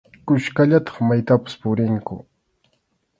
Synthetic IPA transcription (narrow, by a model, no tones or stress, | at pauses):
kʊʃkaʎat̪ɑ̥χmajt̪apɪ̥spʊɾɪŋkʊ̰